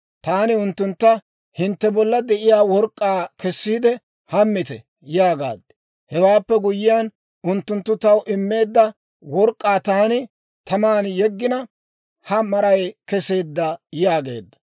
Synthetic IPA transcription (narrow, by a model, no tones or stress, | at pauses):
t̪aːnɪʊnt̪ːʊnt̪ːɐ | hɪnt̪ːɛbɔlːɐd̪ɛʔɪjaːwɔɾkʼːaːkɛsːiːd̪ɛ | hɐmːɪt̪ɛ | jaːɡa̰ːd̪ːɛ̥ | hɛwaːpːɛɡʊjɪjaːn | ʊnt̪ːʊnt̪ːʊt̪ɐwʔɪmːe̞ːd̪ːɐ | wɔɾkʼːaːt̪aːnɪ | t̪ɐmaːnjɛɡːɪnɐ | hɐmɐɾɐjkɛse̞ːd̪ːɐjaːɡe̞̰ːd̪ːɐ̥